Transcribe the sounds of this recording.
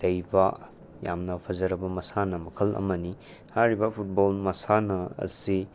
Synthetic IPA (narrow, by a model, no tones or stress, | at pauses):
dɐjbɐ | ja̰mnɐpʰɐzɐɾɐbɐmɐsanɐmɐkʰɐlʔɐ̰mɐni | hajɾibɐpʰut̚bolmɐsanɐ̰ːsi